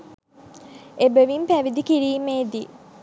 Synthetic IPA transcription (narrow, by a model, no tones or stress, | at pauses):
ebəʋimpæʋid̪ikiɾiːmeːd̪i